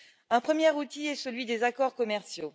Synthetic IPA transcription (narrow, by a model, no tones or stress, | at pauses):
ɛ̃pχəmjɛʁut̪iɛsəlɥid̪ezakɔʁkɔmɛʁsjo